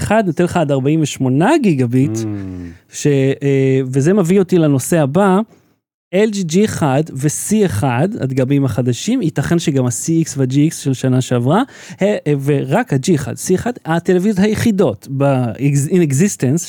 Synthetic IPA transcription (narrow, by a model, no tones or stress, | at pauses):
χad̪not̪elχaːdaʁbaimveʃmo̞naɡiɡabit | ʃe | vezemevio̞tilano̞se̞haba | eld͡ʒid͡ʒieχadvesieχada̰d̪ɡabimaχad̪aʃimitaχenʃeɡamasiiksvead͡ʒiiksʃelʃanaʃeavʁa | heveʁakhad͡ʒieχa̰dsieχadhatelevizjothajeχido̞tbaineɡzistens